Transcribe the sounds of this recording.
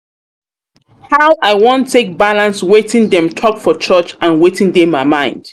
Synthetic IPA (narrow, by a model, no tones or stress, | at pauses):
haʊʔaɪwɔ̃ntʰːek̚balãnswetĩŋdɛ̃mtʰɔkfɔt͡ʃʰɜt͡ʃãnwetɪ̃ŋdɛ̃mːaɪmãɪ̃nd̥